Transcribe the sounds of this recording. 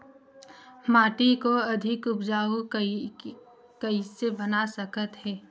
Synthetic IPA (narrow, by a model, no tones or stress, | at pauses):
maːʈikoɐd̪ʱɪkʊpd͡ʒaːu | kəisebɐnasəkət̪ɦɛː